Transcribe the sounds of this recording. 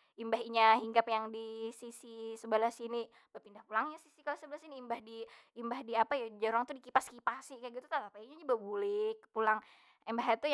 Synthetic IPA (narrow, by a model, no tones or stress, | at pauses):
imbaɦiɲahiŋɡapjaŋdisisisəbəlahsini | bapindahpulaŋɲasi̥sikalosəbəlahsiniːmbahdiːmbahdiapajad͡ʒəɾaŋt̪udikipaskipahsɪhkajaɡit̪ut̪at̪apajaiɲad͡ʒubabulɪkpulaŋ | ɛmbaɦjat̪u